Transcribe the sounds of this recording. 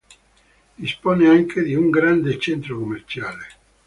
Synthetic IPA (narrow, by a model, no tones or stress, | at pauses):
d̪̥ispɔneaŋked̪iuŋɡɾand̪et͡ʃent̪ɾokomːert͡ʃaːle